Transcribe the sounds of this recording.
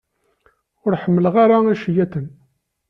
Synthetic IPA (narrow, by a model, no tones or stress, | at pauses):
ʊɾħəmːələʁaɾaæʃjæt̪ən